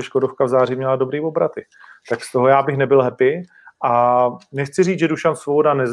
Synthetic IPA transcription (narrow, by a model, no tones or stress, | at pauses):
ɛʃkodofkavzaːrɪmɲɛlado̞bɾiːvobɾat̪ɪ | t̪akst̪o̞ɦojaːbɪxnɛbɪlɦɛpɪ | ʔanɛxt͡sɪriːt͡sʒɛduʃansvobo̞danɛz